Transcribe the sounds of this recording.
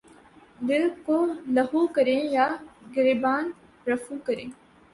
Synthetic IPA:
d̪ɪlkoːlɐɦukəɾẽjaːɡɪɾibaːn | ɾɐfukəɾẽː

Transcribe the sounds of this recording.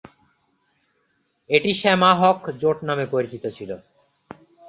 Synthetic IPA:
eʈiʃɛmaɦɔkd͡ʑoʈnamepoɾit͡ɕit̪ot͡ɕʰilo

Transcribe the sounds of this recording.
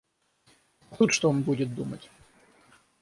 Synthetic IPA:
xut̪ʂt̪ɔɔnbudʲɪt̪̚d̪umə̰tʲ

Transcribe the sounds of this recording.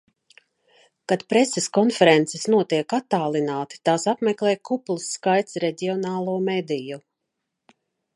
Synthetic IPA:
kad̪pɾeseskɔnfɛɾɛnt̪sesnuɔt̪iɛkat̪ːaːlˠinaːt̪i̥t̪aːsapmɛklɛːjkʰuplˠisːkajt̪sɾeɟʲiɔnaːlˠuɔmed̪iju

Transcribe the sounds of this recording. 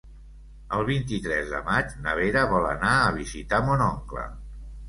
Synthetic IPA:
əlˠβint̪it̪ɾɛzðə̰mad͡ʒnəβ̞eɾəβɔlə̰naəβ̞izit̪amunɔŋklə̰

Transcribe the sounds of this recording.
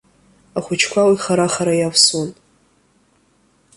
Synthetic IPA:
aχʷʊt͡ʃʰkʷʰawiχaɾaχaɾajafsun

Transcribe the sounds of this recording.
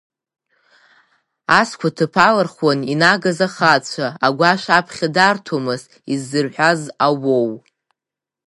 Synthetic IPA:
askʷʰatʰɨpʰalarχwaninaɡazaχat͡ɕʷʰaːɡʷaʃapʰχʲadartʰomɨz | izːɨrħʷᶣazawow

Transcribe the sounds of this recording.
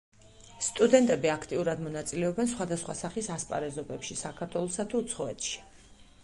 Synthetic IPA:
st̪ʼud̪ɛnt̪ʼɛbiakʰt̪ʼiuɾad̪mɔnat̪sʼilɛɔbɛnsχwad̪asχwa̰saχisaspʼa̰ɾɛzɔbɛpʃisakʰaɾt̪ʰwɛlˠɔsat̪ʰuːt̪sʰχɔɛt̪ʰʃi̥

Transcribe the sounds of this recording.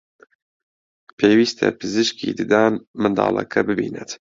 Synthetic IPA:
pʰeːwiːst̪ʰɛ̰pʰɨzɨʃkiːd̪ɨd̪aːnmɨnd̪ɑ̰ːlɐ̰kʰɐbɨbiːnɛt̪

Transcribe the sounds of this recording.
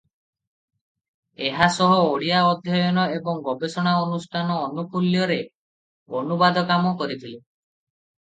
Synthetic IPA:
eɦasɔɦɔoɽijaɔd̪ʱjɔjɔnɔebɔŋɡɔbesɔɽ̃aɔnusʈʰanɔːnupuljɔɾe | onubad̪ɔkamɔkɔɾit̪ʰili

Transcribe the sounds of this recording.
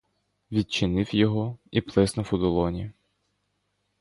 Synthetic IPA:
ʋʲid̪̚t͡ʃɪnɪwjɔɦɔiplˠɪznɔfʊd̪ʊlˠɔnʲi

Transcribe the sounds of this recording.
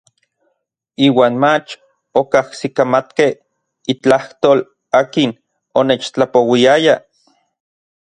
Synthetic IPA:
iːwaːnmat͡ʃ | okahsikamat̪keh | it͡ɬaht̪oːl | aːkin | oneːt͡ʃt͡ɬapowiaja

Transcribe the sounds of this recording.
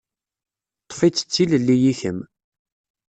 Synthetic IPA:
t̪ˤːfit͡sːə̥t͡sːiləlːijiçəm

